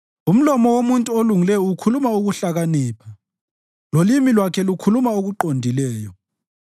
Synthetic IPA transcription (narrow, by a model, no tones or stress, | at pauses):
um̩lɔmɔwomuntʼuoluŋilɛjɔukʰulumauɣuɬaɣaniːpʰa | lolimilwakʰɛlukʰulumaoɣuǃondʱilɛːjɔ